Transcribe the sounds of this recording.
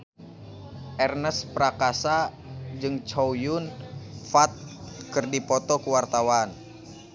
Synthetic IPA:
ʔɛrnəspɾakasa | d͡ʒɨŋt͡ʃojunfat̪̚kɨrdipɔt̪ɔkuwart̪awan

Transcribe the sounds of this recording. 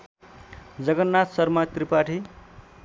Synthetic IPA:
d͡zʌɡʌnːat̪sʌrmat̪ripaʈʰi

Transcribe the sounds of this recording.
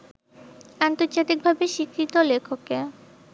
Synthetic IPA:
ant̪oɾd͡ʑat̪ik̚bʱabeʃikɾit̪olekʰoke

